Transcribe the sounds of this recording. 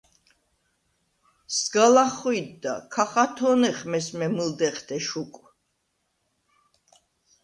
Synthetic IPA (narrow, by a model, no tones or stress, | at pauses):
sɡalaχwid̪ːa̰kʰaχat̪ʰɔnɛχmɛsmɛmɨld̪ɛχt̪ʰɛʃukʼ